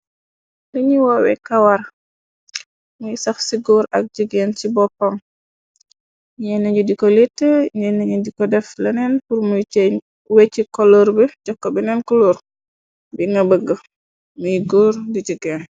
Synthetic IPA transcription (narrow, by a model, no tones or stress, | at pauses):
dɐɲiwɔwɛ̰kɐwaɾ | mujsɐxsiɡɔːɾɐ̰k̚d͡ʒəɡɛncibɔpːɐm | ɲɛnɐɲudikɔlitːəɲɛnɐɲudikɔdɛflɐnɛnpuɾmuj | wɛcːikɔlɔɾbɛɟɔkːɔbɛnɛnkɔloːɾ | biŋɐbəɡːə | mujɡɔːɾdiɟəɡɛːn